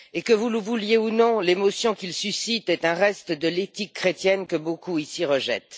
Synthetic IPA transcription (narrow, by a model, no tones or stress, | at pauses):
ekəvuləvuljeunɔ̃lemɔsjɔ̃kʲilsysit̪ɛt̪ɛ̃ʁɛst̪d̪əlet̪ikːχet̪jɛnkəbokuisiʁəʒɛ̰t̪